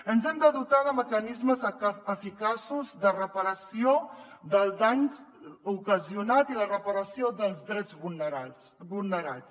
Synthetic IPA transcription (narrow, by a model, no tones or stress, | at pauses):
ənzɛmd̪əðut̪aðəməkənizməzəfikasuzðərəpəɾəsioðəlˠd̪aɲukəziunat̪ilərəpəɾəsioðəlˠzdɾɛd͡zu | βulˠnəɾa̰t͡s